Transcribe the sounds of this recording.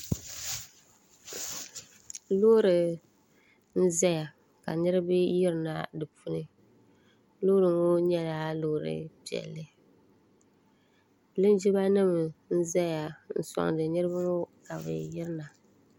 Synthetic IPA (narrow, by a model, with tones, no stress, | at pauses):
lo˦ɾɨ˨ | n̩˦za˦ja˨ | ka̰˨nɨ˦ɾɨ˦bɨ˦jɪ˦ɾna̰˨dɨ˨pu˦nɨ˦ | lo˦ɾɨ˨ŋo˦ɲɛ˦la˦lo˦˨ɾɨ̰˨pi˨ɛ̰˨lːɨ˦ | lɨ˦n˦d͡ʒi˦ba˦nɨ˦m˨n̩˦zɛ˦ja˨n̩˨sɔ̰˨ŋ˨dɨ˨nɨ˦ɾɨ˦bɨ˦ŋo˦ka˨bɨ̰˨jɪ˦ɾɨ˦na˨